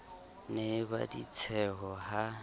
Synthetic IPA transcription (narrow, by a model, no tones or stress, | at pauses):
neba̰dit͡sʰɛɦɔɦa